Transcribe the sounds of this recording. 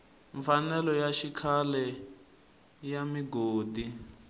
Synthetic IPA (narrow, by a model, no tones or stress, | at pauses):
ɱfanɛlɔjaʃikʰalɛ | jamiɡoːdi